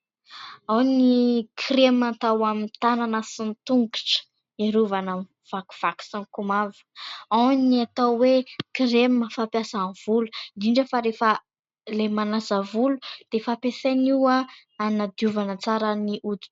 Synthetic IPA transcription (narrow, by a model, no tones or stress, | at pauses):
awnikʰremat̪awamint̪ananəsint̪uŋɡiʈ͡ʂə̥ | eɾuvana | v̥aku̥v̥aku̥saŋkumavə̥aniat̪awwekreməfapjasanv̥ulu̥d̪iɳɖ͡ʐəfaɾefə | lemanasavulud̪̥efapeseniwa | anad̪ijuvanət͡saɾəniʔud̪